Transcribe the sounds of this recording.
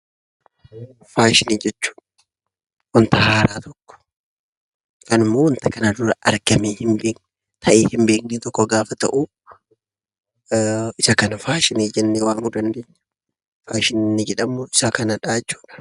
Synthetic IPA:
faːʃɪniːd͡ʒɛt͡ʃːu̥ːᶑ | wɐnt̪ɐhaːɾaːt̪ɔkːɔ̥ | kɐnɪmːoːwɐnt̪ɐkɐnad̪ʊɾɐɐɾɡɐmeːhɪmbeːk | t̪ʰɐʔeːhɪmbeːkneːt̪ɔkːɔɡaːfɐt̪ɐ̰ʔuː | ɪsɐkɐnɐfaːʃɪniːd͡ʒɛnːeːwaːnud̪ɐnd̪eːɲːɐ | faːʃɪnnːɪd͡ʒɛᶑɐmːoːɪsakɐnɐᶑaːt͡ʃːu̥ːᶑɐ̥

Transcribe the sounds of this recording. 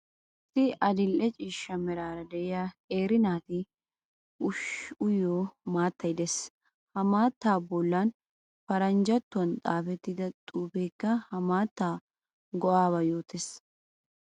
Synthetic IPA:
ʔʔɪsːɪʔɐd̪ɪlʔɛt͡ʃʼiːʃːɐmɛɾaːɾɐd̪ɛʔɪjaeːɾɪnaːt̪ɪ | ʊʃʊjoːmaːt̪ːɐjd̪ɛs | hɐmaːt̪ːaːbɔlːan | fɐɾɐnd͡ʒɐt̪ːʊɐnt̪ʼaːfɛt̪ːɪd̪ɐt̪ʼuːbeːkːɐhɐmaːt̪ːaː | ɡɔʔaːbɐjoːt̪es

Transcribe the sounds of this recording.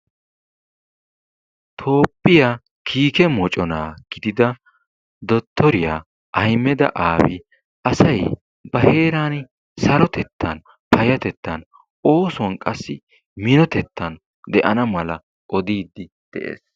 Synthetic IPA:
t̪ʰo̞ːpʼːɪjaː | kʰiːkɛmɔt͡ʃʼɔnaːɡ̥ɪd̪ɪd̪ɐ | d̪ɔt̪ʰːɔɾɪjaː | ʔɐjmːɛd̪ɐ̰ʔaːwɪ̰ | ɐsɐj | bɐhe̞ːɾaːn | sɐɾɔt̪ɛt̪ʰːɐn | pʰɐjɐt̪ɛt̪ːɐn | o̞ːsɔnkʼɐsːɪ | mɪnɔt̪ɛt̪ːɐn | d̪ɛʔɐnɐmɐlɐ | ʔɔd̪iːd̪ːɪ | d̪̥ɛʔḛːs

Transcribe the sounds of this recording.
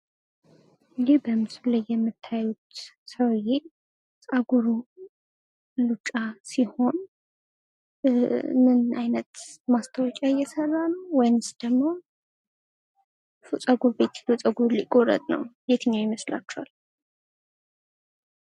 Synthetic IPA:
libəmɨslajːɛmːɨt̪ʰːajut̪ | səwje | t͡sʼaɡuɾu | lut͡ʃʼːasiho̞n | nɨnajnət̪mast̪ʰəwɔkʼaɨjːɛsərːanəwwɔjnɨsd̪̥əmːo̞ | fusʼəɡuɾbe̞t̪i̥lot͡sʼəɡuɾlikʼoɾə̰t̪ʼnə̰wjet̪ʰɨɲːajɪməsla̰t͡ʃːɛha̰l

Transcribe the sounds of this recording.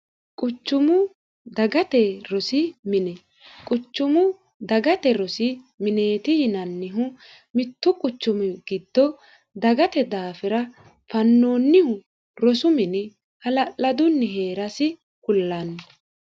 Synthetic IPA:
kʼʊt͡ʃːʊmʊ | d̪ɐɡɐt̪ɛɾɔsɪmɪnɛ | kʼʊt͡ʃːʊmʊ | d̪ɐɡɐt̪ɛɾɔsɪ | mɪneːt̪ɪjɪnɐnːɪɦʊ | mɪt̪ːʊkʼʊt͡ʃːʊmʊɡ̥ɪd̪ːɔ | d̪ɐɡɐt̪ɛd̪aːfɪɾɐ | fɐnːo̞ːnːɪhʊ | ɾɔsʊmɪnɪ | hɐlɐlɐd̪ʊnːɪɦe̞ːɾɐsɪ | kʼʊlːɐnːɛ

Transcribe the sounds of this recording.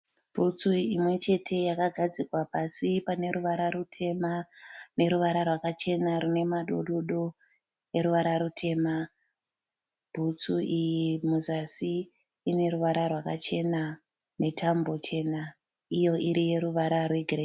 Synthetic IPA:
b̥ʱut͡suimwe̞t͡ʃe̞tʰe̞jakaɡʱad͡zikwapasipane̞ɾuʋaɾaɾutʰe̞mane̞ɾuʋaɾarwakat͡ʃe̞naɾune̞maɗoɗoɗo | e̞ɾuʋaɾaɾutʰe̞ma | bʱut͡suʔijimuzasiː | ne̞ɾuʋaɾarwakat͡ʃe̞na | netambo̞t͡ʃe̞na | ijo̞ʔiɾije̞ɾuʋaɾarweɡʱre

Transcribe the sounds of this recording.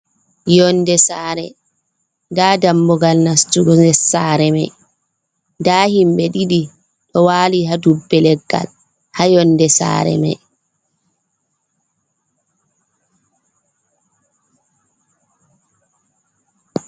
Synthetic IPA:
jɔnːdɛsaːɾɛ̰ | daːdambɔɡalnastuɡɔɛsaːɾɛmɛj | daːhimbɛɗiɗi | ɗɔwaːliɦadubːɛlɛɡːa̰l | hajɔnːdɛsa̰ːɾɛ̰mɛ̰j

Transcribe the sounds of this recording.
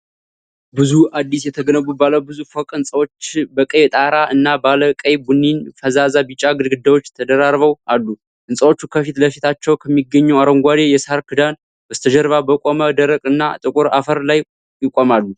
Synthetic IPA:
bɨzuad̪ːisjɛt̪ʰəɡənəbubaləwbɨzufokʼɨnsʼəwot͡ʃːbəkʼəjt̪ʼaɾaʔɨnːabaləkʼəjbunːinfəzazabɨt͡ʃʼːaɡɨd̪ɡɨd̪ːawot͡ʃːt̪ʰəd̪əɾaɾβəwalːu | ʔɨnsʼəwo̞t͡ʃːukʰəfit̪ləfit̪ʰat͡ʃːɛwkʰəmːiɡːəɲːuaɾəŋɡʷad̪ejɛshaɾkʰɨd̪an | bəzt̪ʰəd͡ʒəɾβabəkʼoməd̪əɾəkʼɨnːa̰t̪ʼɨkʼuɾa̰fəɾlaj | jɪkʼomalːu

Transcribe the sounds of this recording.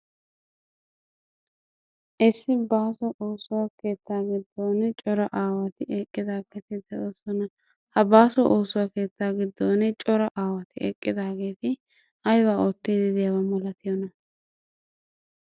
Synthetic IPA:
ʔɛsːɪbaːsɔʔoːsʊwɐke̞ːt̪ːaːɡɪd̪ːoːnːɛt͡ʃʼɔɾɐʔaːwɐt̪ɪʔɛkʼːɪd̪aːkːɐt̪ɪd̪ɐoːsɔnɐ | hɐbaːsɔʔoːsʊwɐke̞ːt̪ːaːɡɪd̪ːoːnɛt͡ʃʼɔɾɐʔaːwɐt̪ɪɛ̰kʼːɪd̪aːɡe̞ːt̪ɪ | ɐjwaːoːt̪ːiːd̪ɪd̪ɪjɐwɐmɔlɐt̪ɪjɔnɐ

